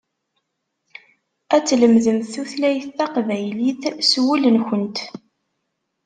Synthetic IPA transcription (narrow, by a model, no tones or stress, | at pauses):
æt͡sːləmðəmθuθlæjθːɑqvæjliθswilənçənt̪